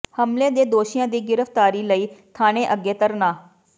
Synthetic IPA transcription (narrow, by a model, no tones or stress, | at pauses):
həmleːd̪eːd̪oːʃɪjãːd̪iːɡɪɾəfʰt̪aːɾiːləiːt̪ʰaːɽ̃eːʔəɡːeːt̪əɾnaː